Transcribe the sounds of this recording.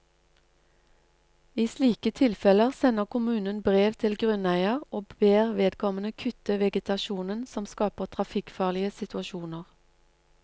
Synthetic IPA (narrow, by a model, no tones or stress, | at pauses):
iːsliːkət̪ʰɪlfɛləʁsɛnəʁkʊmʉːnənbʁeːʋt̪ʰɪlɡʁʉnæɪəʁoːbbeːʁʋeːd̪kʰɔmənəkʰʏt̪əʋɛɡət̪ɑʃuːnənsɔmskɑːpəʁt̪ʰʁɑfɪkfɑːʁlɪəsɪt̪ʰʉɑʃuːnəʁ